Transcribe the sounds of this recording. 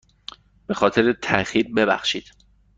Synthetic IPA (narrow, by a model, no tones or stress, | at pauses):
b̥e̞xɒːt̪ʰe̞ɾet̪ʰæxiːɾbe̞bæ̰xʃiːd̪̥